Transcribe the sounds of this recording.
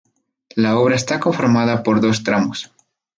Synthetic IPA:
lao̞βɾaest̪ako̞ɱfoɾmaðapoɾðo̞st̪ɾamos

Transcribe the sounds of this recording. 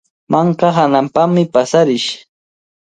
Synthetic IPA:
maɴqɑɦanampaχmɪpasaɾɪʃ

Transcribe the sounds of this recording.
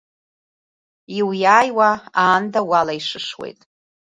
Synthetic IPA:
iwjaːjwaaːndawalaiʂɨʂwḛjtʼ

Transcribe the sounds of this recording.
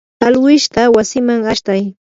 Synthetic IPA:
alwɪʃt̪awasɪmaŋaʃt̪aj

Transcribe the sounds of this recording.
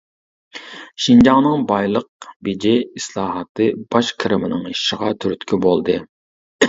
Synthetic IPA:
ʃind͡ʒɑŋnɨŋbɑjlˠəq̚bed͡ʒiislˠɑːɦɑt̪ʰɨb̥ɑʃkʲʰɪɾɪmɪnɪŋiʃɪʁɑt̪ʰyɾyt̪kʲʰibolˠd̪ɨ

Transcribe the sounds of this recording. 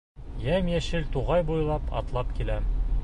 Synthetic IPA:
jæmjæʃɘlt̪uʁɑjbujlˠɑpɒ̰t̪lˠɑpkilæm

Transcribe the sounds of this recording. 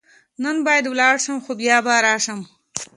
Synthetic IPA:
nanbɑjad̪wlɑɽʃəmxobjɑbaɾɑʃəm

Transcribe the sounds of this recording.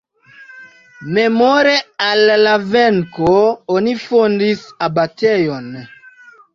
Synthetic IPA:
memoɾealːaveŋkoonifondisabatejon

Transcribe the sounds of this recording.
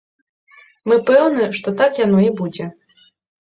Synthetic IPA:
mɨpɛwnɨʂt̪ɔt̪akjanɔibud͡zʲɛ

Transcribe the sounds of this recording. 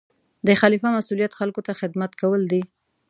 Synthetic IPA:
d̪əxalifamasulijat̪xalkot̪axɪd̪mat̪kawəld̪i

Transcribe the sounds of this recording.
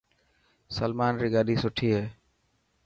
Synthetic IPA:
səlmaːnɾiːɡaːɗiːsʊʈʰiːɦeː

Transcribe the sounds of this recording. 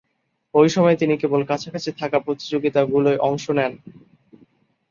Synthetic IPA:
ojʃɔmɔet̪inikebolkat͡ɕʰakat͡ɕʰit̪ʰakapɾot̪i̥d͡ʑoɡit̪aɡuloeʔɔŋʃonɛn

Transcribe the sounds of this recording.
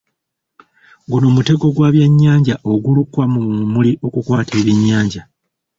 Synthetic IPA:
ɡuno̞ːmute̞ɡo̞ɡwaːβjeɲːaːɲɟaʔo̞ɡulukːwamuumuliʔo̞kukwaːtʰe̞ːβjeɲːaːɲɟa

